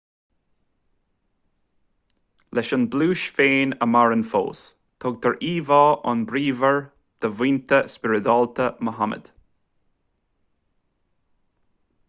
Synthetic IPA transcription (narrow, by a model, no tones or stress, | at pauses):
lʔɛʃənbluːʃfeːnəmaɹənfo̰ːs | t̪ʰɔɡ̚t̪ʰəɹiːvɑːʔɑ̰nbɾiːvəɹ | d̪̥əviːnt̪ʰəspɪɹɪd̪ɔlt̪ʰəməɦamə̰d̪̥